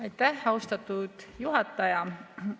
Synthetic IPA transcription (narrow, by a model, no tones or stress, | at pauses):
ɑjt̪ːæhɑwst̪ɑt̪ːud̪̥juɦɑt̪ːˑɑjɑ